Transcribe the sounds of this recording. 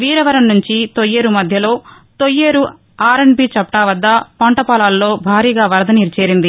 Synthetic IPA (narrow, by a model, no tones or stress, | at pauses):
ʋiːɾɐʋɐɾɐmnuɲt͡ʃit̪ojːeːɾumɐd̪ʱjɐlo̞ː | t̪ojːeːɾu | aːɾeɳpiːt͡ʃɐpʈaːʋɐd̪ːɐpɐɳʈɐpɐːlaːllo̞ːbʱaːɾiːɡaːʋɐɾɐd̪ɐniɾt͡ʃeːɾind̪i